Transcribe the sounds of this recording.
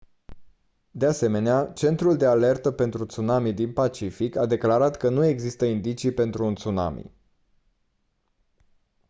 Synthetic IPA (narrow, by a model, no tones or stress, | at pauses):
d̪e̞ase̞me̞neat͡ʃe̞nt̪ɾuld̪e̞ale̞rt̪əpe̞nt̪ɾut̪sunamid̪inpat͡ʃifikad̪e̞klaɾat̪kənue̞ɡzist̪əind̪it͡ʃijpe̞nt̪ɾuːnt̪suna̰mḭ